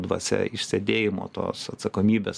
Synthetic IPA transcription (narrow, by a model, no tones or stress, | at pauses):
d̪ʋɐsʲɛ̰ɪʃʲsʲed̪ʲeːjɪmo̰ːt̪o̰ːsɐt̪sɐkoːmʲiːbʲeːs